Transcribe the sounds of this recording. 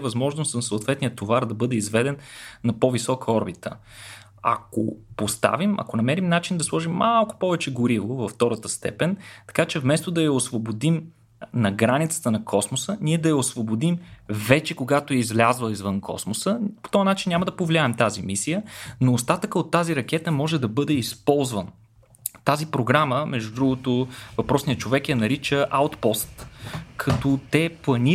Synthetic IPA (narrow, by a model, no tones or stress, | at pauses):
vɐzmɔʒnost̪nsoːt̪vɛt̪nijət̪ːovaɾd̪ɐbɤd̪ɛizvɛd̪ɛnːɐpovisɔkəɔɾbit̪ə̰ | ɐ̰ko̰post̪a̰vimɐ̰konɐmɛɾimnat͡ʃind̪ɐslˠɔʒimːalˠkʊ̥pɔvɛt͡ʃɛɡoɾivovɐft̪ɔɾət̪əst̪ɛ̰pɛnt̪ɐ̥kat͡ʃɛvmɛst̪od̪ɐjɐosvobod̪im | nɐɡɾanit̪sə̥t̪ənɐkʰɔsmosəniɛd̪ɐjɐosvobod̪imvɛt͡ʃɛkoɡat̪oɛizvlʲazvəizvɤnkʰɔ̰smosəpo̥t̪ɔjnat͡ʃinnʲaməd̪ɐpovlʲiaɛmt̪azimisijənoːst̪at̪əkəot̪ːaziɾɐk̟ɛt̪əmɔʒɛd̪ɐbɤd̪ɛispɔlˠzvən | t̪azipɾoɡɾaməmɛʒd̪ud̪ɾuɡʊt̪ovɐpɾɔsniət͡ʃovɛkjɐnɐɾit͡ʃəʔawt̪pɔst̪kʰɐt̪ɔt̪ɛplˠɐni